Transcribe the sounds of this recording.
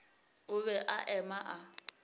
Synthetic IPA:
ʊβɛʔaʔɛmaʔa

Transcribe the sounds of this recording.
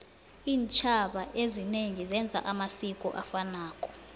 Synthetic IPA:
iːnt͡ʃʼʰaɓaʔezineŋizɛnd͡zʱa̰ʔamasikʼɔ̰ʔafanaːkʼɔ̥

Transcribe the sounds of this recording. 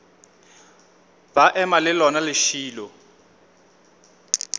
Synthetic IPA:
baʔɛmalɪlɔnalɪʃiːlɔ

